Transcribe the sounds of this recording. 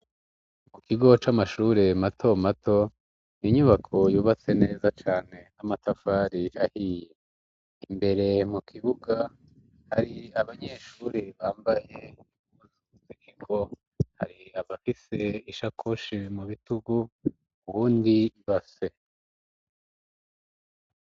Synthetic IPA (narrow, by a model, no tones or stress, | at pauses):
mukʰiɡo̞t͡ʃamaʃuːɾe̞matʰo̞matʰo̞ | niɲuβakʰo̞juːβat͡se̞ne̞ːzat͡ʃaːne̞namatʰafaːɾihahije | imbe̞ɾe̞mukʰiβuɡa | haɾiaβaɲe̞ʃuɾiβaːmbaje̞i | zuuzikiko | ha̰ɾiaβafise̞iʃakʰoʃimuβituɡu | uβuːndiiβase̞